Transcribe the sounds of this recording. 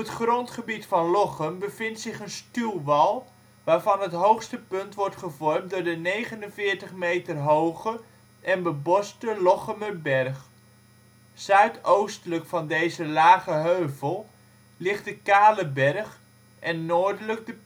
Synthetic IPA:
ɔpətχrɔntχəbitfɑnlɔχəmbəvɪntsɪχənstylˠʋɑlˠ | ʋaːɹvɑnɦətɦowχstəpɵntʋɔɹtχəvɔrmdʊːɹdənejχənənvɪːɹtəχmejtərɦowχə | ʔɛnbəbɔstəlɔχəməbɛrχ | sœɥtowstələkfɑndejzəlaːχəɦøɥvəlˠ | lɪχtdəkaːləbɛrχ | ʔɛnːoːɹdələɡ̚də

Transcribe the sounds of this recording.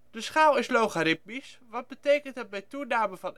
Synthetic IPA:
dəsχaːlˠɪslowχaɾɪp̚misʋɑd̚bətejkənt̚dɑt̚bɛjtunaːməvɑn

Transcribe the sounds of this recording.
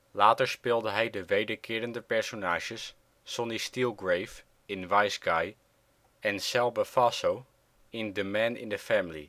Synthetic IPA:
laːtəɹspɪːlˠdəɦɛjdəʋejdəɹkʰɪːɾəndəpɛɹsonaːʒəsː | ɔnistilˠɡrejf | ɪnʋajsɡaj | ɛnsɛlˠbəfɑsow | ɪndəmɛnɪ̰ndəfɛmɪlḭ

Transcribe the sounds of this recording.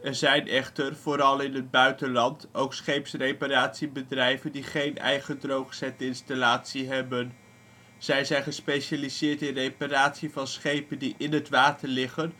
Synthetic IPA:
ɛɹzɛjnʔɛχtərv̥oːɾɑlˠɪnɦəd̚bœɥtənlɑntowksχejpsrejpaɾaːtsibədrɛjvəndiχejnɛ̰jχədrowχsɛtəɪnstalaːtsiɦɛbən | z̥ɛjzɛjnχəspejʃalizɪːɹtɪnrejpaɾaːtsivɑnsχejpəndiʔɪnɦətʋaːtəɹlɪχən

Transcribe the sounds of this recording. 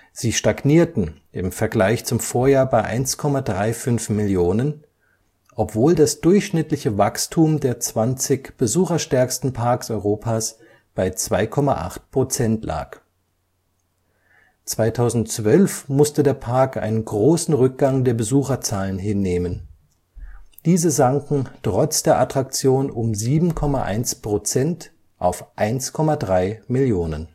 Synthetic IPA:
z̥iːʃtaɡniːɐtn̩ | ʔɪmfɛɐɡlaɪçt͡sʊmfoːɐjaːɐbaɪʔa̰ɪnskʰɔmadʁaɪfʏnfmɪljoːnən | ʔɔpv̥oːldasd̥ʊɐçʃnɪtlɪçəvakstʰuːmdeːɐt͡sv̥ant͡sɪçb̥əzuːχɐʃtɛɐkstn̩pʰaɐksʔɔʏʁoːpʰaːs | b̥aɪt͡sv̥aɪkʰɔma̰ʔa̰χt̚pʁ̥ot͡sɛntla̰ːk | t͡sv̥aɪtʰaʊzn̩tt͡sv̥œlfmʊstədeːɐpʰaɐkʔa̰ɪnənɡʁoːsn̩ʁʏk̚ɡ̥aŋdeːɐbəzuːxɐt͡saːlənɦɪnːeːmən | d̥iːzəzaŋkŋ̩tʁ̥ɔt͡sd̥eːɐʔatʁ̥ak̚t͡sjoːnʊmziːbm̩kʰɔmaʔa̰ɪnspʁ̥ot͡sɛnt | ʔaʊfʔaɪnskʰɔmadʁaɪmɪljoːnən

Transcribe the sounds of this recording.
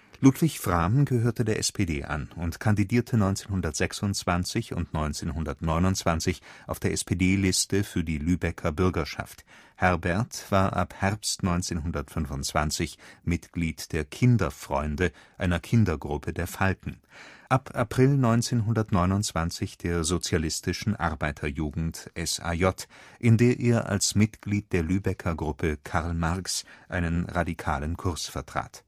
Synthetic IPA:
luːtv̥ɪçfʁ̥aːmnɡəhøːɐtədeːɐʔɛspʰedḛːʔa̰nʊntkʰandidiːɐtʰənɔʏnt͡seːnhʊndɐtz̥ɛksʊnt͡sv̥ant͡sɪçʊ̰ntnɔʏnt͡seːnɦʊndɐtnɔʏnʊnt͡sv̥ant͡sɪçʔaʊfd̥eːɐʔɛspʰedeːlɪstəfyːɐdiːlyːbɛkʰɐbʏɐɡɐʃa̰fthɛɐbɛɐtv̥aːɐʔa̰phɛɐpstnɔʏnt͡seːnɦʊndɐtfʏnvʊnt͡sv̥ant͡sɪçmɪtɡ̥liːtd̥eːɐkʰɪndɐfʁ̥ɔ̰ʏndəʔaɪnɐkʰɪndɐɡʁʊpʰədeːɐfaltn̩ʔapʰʔapʁ̥ɪlnɔʏnt͡seːnɦʊndɐtnɔʏnʊnt͡sv̥ant͡sɪçd̥eːɐzot͡sjalɪstɪʃn̩ʔa̰ʁbaɪtʰɐjuːɡŋ̩tʔɛsa̰jɔtʔɪndeːɐʔeːɐʔa̰lsmɪtɡ̥liːt̚d̥eːɐlyːbɛkʰɐɡʁʊpʰəkʰaʁlmaɐksʔaɪnənʁadikʰa̰ːlənkʰʊɐsfɛɐtʁ̥a̰ːt

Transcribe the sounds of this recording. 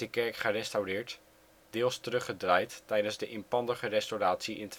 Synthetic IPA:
əkɛɹkχərɛstawrɪːɹt | d̥ɪːlˠstərɵχədrajttɛjdənzdəʔɪmpɑndəχərɛstoraːtsiʔɪ̰nt

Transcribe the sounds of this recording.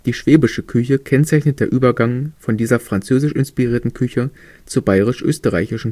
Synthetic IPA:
d̥iːʃv̥eːbɪʃəkʰʏçəkʰɛnt͡saɪçnət̚d̥eːɐʔyːbɐɡaŋfɔndiːzɐfʁ̥ant͡søːzɪʃʔɪnspiʁiːɐtn̩kʰʏçə | t͡subaɪʁɪʃʔø̰ːstəʁa̰ɪçɪʃn̩

